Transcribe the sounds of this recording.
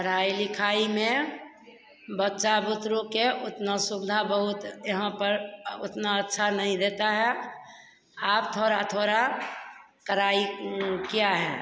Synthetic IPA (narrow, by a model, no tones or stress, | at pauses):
bʱəɾ̤aːilɪkʰaːimẽ | bətːʃabʊt̪ɾõkeʔʊt̪nasʊbɪd̪ʱabəɦʊt̪jəɦãpəɾʊ̰t̪naətːʃʰanəɦĩd̪eːt̪aɦɛ | aːpt̪ʰoːɾat̪ʰoːɾa | kəɾaːikijaɦɛː